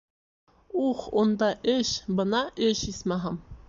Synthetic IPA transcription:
uχond̪ɑʔɘɕbɤ̆nɑʔɘɕismæɦɑm

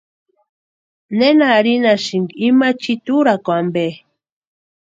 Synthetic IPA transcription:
nenaɾinaʃiŋɡimat͡ʃit̪uɾakʷambe

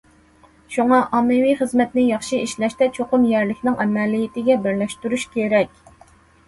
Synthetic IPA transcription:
ʃuŋɑʔɑmːɨwijχəzmɛt̪nɪjɑχʃiiʃlɛʃt̪ɛt͡ʃʰoqʊmjɛɾlɪkʲnɪŋɛmɛlijit̪ɪɡʲɛbɪɾlɛʃt̪yɾuʃkʲʰeɾɛkʲ

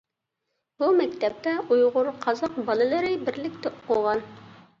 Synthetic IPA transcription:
bumæk̚t̪æp̚t̪æʔujʁoɾqʰɑzɑqbɑlˠɤ̆lɘ̆ɾɘbɘ̆ɾlɘ̆k̚t̪ɘqoʁɑn

